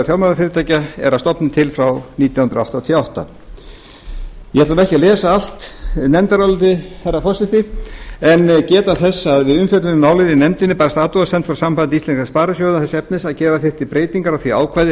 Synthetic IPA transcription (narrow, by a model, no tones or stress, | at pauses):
θjawlmaðaɾfɪːɾɪt̪ʰaːjcaɛ̰ɾast̪ɔpnɪt̪ʰɪlfɾawniːt̪jawhʏnɾawht̪aːt̪ʰijaawht̪a̰ | jɛhɛt̪lamɛhcɪalɛːsaal̥t̪nɛnt̪aɾawlɪt̪ɪhɛrafɔrsɪht̪ɪɛnːcɛːt̪aθɛsːaðvɪðʏmfɛt̪lɪnɪmaːwlɪninɛmt̪ɪnːɪpaːɾast̪aːt̪uasɛnt̪fɾawsampant̪ɪist̪ɛnskaspaːɾasjowðaθɛsɛp̚nɪsaðcɛːɾaθɪr̥t̪ipɾeːjt̪iŋkaɾaθiaːwkʰajðɪ